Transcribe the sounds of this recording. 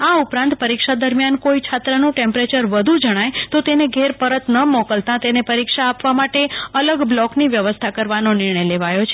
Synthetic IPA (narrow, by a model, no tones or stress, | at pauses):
aupɾãnt̪pəɾikʃad̪əɾmjankoit͡ʃʰat̪ɾənũʈẽmpɾet͡ʃəɾʋəd̪ʱud͡ʒəɽ̃ajt̪ot̪eneɡʱeɾpəɾət̪nəmɔkəlt̪ãt̪enepəɾikʃaːpʋamaʈeələɡblɔkniʋjəʋəst̪ʰakəɾʋanonɪɾɳəjleʋajot͡ʃʰe